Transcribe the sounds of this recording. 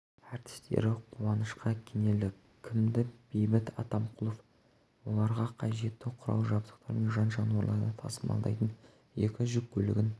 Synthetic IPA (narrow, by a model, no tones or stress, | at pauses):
ɑɾt̪ɪ̥st̪e̞̰ɾɪqʰuwɑnəʃqɑkʲʰene̞lɪk | kʲʰːɪmd̪ɪb̥ejbɪt̪ʰɑ̰t̪ɑmqʰʊlˠof | wo̞lˠɑɾʁɑqʰɑʒe̞t̪ːɪqʰʊɾɑ̰lˠʒɑbd̪ə̥q̚t̪ɑɾmenʒɑnʒɑnuɑɾlˠɑ̰ɾənɑt̪ʰɑ̰səmɑ̰lˠd̪ɑ̰jt̪ən | je̞kʲɪʒʏk̚bʰɵlɪ̰ɡʲɪn